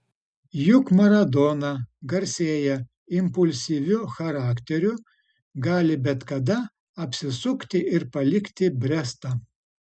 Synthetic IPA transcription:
jʊkmɐɾɐd̪oːnɐɡɐɾʲsʲeːjɛ | ɪmpʊlʲsʲiːʋʲʊxɐɾɑːkt̪ʲɛɾʲʊ | ɡɑːlʲɪbʲɛt̪kɐd̪ɐ | ɐpʲsʲɪsʊkt̪ʲɪʔɪɾpɐlʲɪkʲt̪ʲɪbʲɾʲɛst̪ɐ

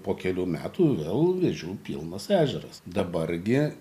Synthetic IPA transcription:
poːkʲɛlʲuːmʲæ̰ːt̪uːʋʲeːlˠʋʲeʒʲuːpʲḭlˠnɐsæːʒʲɛɾɐsd̪ɐbɐrɡʲɪ

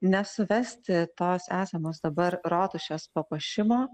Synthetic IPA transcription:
nʲɛsʊʋʲɛsʲt̪ʲɪt̪oːsæːsʲɛmoːsd̪ɐbɐɾɾoːt̪ʊʃʲɛːspɐpɐʃʲɪmoː

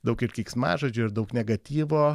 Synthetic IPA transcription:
d̪ɐʊkɪɾkʲiːksmɑ̰ːʒɐd͡ʒʲuːɪɾd̪ɐʊknʲɛɡɐt̪ʲiːʋoː

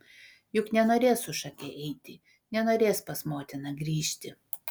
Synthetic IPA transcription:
jʊknʲɛnoːɾʲeːsʊʃɐkʲɛʔɛɪt̪ʲɪ | nʲɛnoːɾʲeːspɐsmoːt̪ʲɪnɐɡɾʲiːʃʲt̪ʲɪ

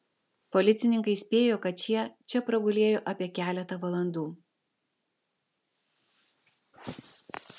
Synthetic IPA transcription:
pɔlʲɪt̪sʲɪnʲɪŋkɐɪsʲpʲeːjoːkɐt̪̚t͡ʃʲiɛt͡ʃʲɛpɾɐɡʊlʲeːjoːʔɐpʲiɛkʲæːlʲɛt̪ɐʋɐlˠɐnd̪uː

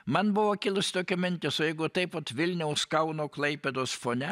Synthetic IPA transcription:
mɐnbʊʋoːkʲɪlˠʊsʲɪ̥t̪oːkʲomʲɪnʲt̪ʲɪsojɛɪɡʊt̪ɐɪpot̪ʋʲɪlʲnʲɛʊskɐʊnoːklˠɐɪpʲed̪oːsfoːnʲɛ

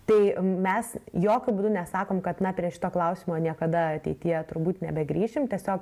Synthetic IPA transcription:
t̪ɐɪmʲɛsjoːkʲʊbud̪ʊnʲɛsɑːkoːmkɐt̪nɐpʲɾʲiɛʃʲɪt̪oːklˠɐʊsʲiːmoːnʲiɛkɐd̪ɐɐt̪ʲɛɪt̪ʲɪjɛt̪ʊɾbuːt̪nʲɛbʲɛɡɾʲiːʃʲɪmt̪ʲiɛsʲoːk

